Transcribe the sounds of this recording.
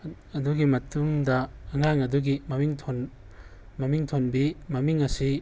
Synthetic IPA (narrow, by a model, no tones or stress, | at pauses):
ɐduɡimɐtumdɐːŋaŋɐduɡimɐmiŋtʰon | mɐmiŋtʰonbimɐmiŋɐsi